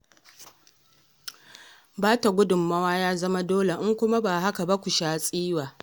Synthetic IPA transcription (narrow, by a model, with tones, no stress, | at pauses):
baː˦ta˨ɡʷʊ˦dʊ˨mːɐ˦waː˦jaː˦zɐ˦ma˦doː˦le˨ʔɪ˦ŋkʷʊ˦ma˦baː˨ɦa˦ka˨ba˦kʷu˨ʃaː˦sʼiː˦waː˨